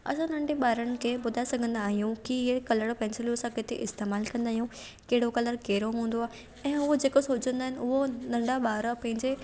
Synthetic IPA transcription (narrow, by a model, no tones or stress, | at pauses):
ɐ̰sãnɐ̃ɳɖeɓaːɾəñɪ̆kʰeɓʊd̪ʱaesɐɡʱə̃nd̪aːɦijũkiekɐləɽpɛ̃ɪ̃nseljosãkɪt̪ʰeʔɪst̪eːmaːlkɐ̃nd̪aːɦijũ | keɦɪɽokɐləɾkeɦɪɾoɦũːn̆d̪oaːɦ | ɛ̃ːʊɦod͡ʑeːkosoːd͡ʑə̃nd̪aːɦɪnʊɦonɐ̃ɳɖaɓaːɾəpɐ̃ɦɪ̃ɲd͡ʑe